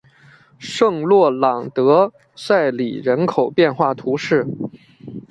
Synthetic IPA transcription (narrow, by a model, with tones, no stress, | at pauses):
ʂɤ˥˧ŋlwɔ˥˩lɑ˨˩ŋt̪ɤ˧˥ | sa˥˩ɪlḭ˨˩ɻə˧˥nkʰo˨˩ʊpjɛ˥˧nxwa˥˩t̪ʰu˧˥ʂɻ̩˥˩